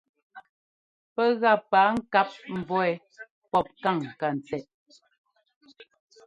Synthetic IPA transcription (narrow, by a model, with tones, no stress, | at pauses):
pɛ˦ɣa˦˨paː˨˦ŋ̩˦ka˦p̚m̩˨vɔ˦ɛ˨ | pɔ˦˨p̚ka˦˨ŋ˨ka˨n˨t͡sɛ˨ʔ